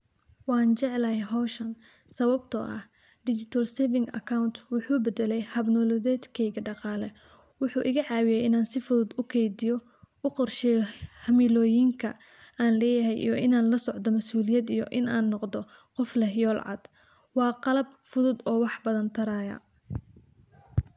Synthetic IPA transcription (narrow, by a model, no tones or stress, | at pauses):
wɑːnt͡ʃɛʕɛlɐhɛɦɔʃɐn | sɐβɐbt̪ʰɔ̰ʔɐ̰h | ɖɪt͡ʃɪt̪ʰɐlsɛːvɪŋɡɐ̰kʰawnt̪ʰwʊħuːbɛd̪ɛlɛjhɐbnɔːlɔðɛːd̪kʰɛjɣɐɖɑqɑːlɛ | wʊħuːʔɪɣɐʕɑːwɪjɛjɪnaːnsɪfʊðʊd̪ʊkʰɛjd̪ɪjɔ | ʊqɔrʃɛjhɐmɪlɔːjɪŋkʰɐ | aːnlɛːjɐɦɛjʔḭjɔʔɪnaːnlɐsɔʕd̪ɔmɐsuːlɪjɐd̪ijɔ̰ʔɪnaːnːɔqd̪ɔ | qɔflɛhjɔːlʕɑ̰d̪̥ | wɑːqɑlɐbfʊðʊd̪ɔːwɑħbɐðɐnt̪ʰɐɾaːjɐ̰